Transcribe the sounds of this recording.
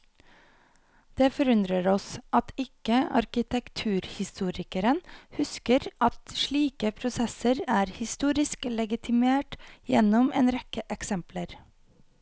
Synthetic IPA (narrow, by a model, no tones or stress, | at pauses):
d̪̥eːfɔɾʉnd̪ɾəɾɔsʔɑt̪ɪkəɑ̰ɾkɪt̪ʰɛkt̪ʰʉːɾhɪst̪uːɾɪkəɾənhʉskəɾʔɑt̪ʃɭiːkəpʰɾʊsɛsəɾæːɾhɪst̪uːɾɪsklɛɡɪt̪ʰɪmeːʈjɛnɔmeːnɾɛkəʔɛksɛmpləɾ